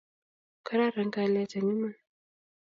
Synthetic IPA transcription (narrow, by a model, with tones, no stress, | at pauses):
kə˦ɾa˦ɾə˨˦ŋɡa˦˨le˦ta˨ɲu˦ma˦n